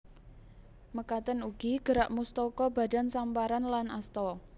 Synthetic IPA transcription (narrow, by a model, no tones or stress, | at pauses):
məkat̪ənuɡ̥iɡ̥əɾaʔmust̪ɔkɔba̤da̤nsampaɾanlanast̪ɔ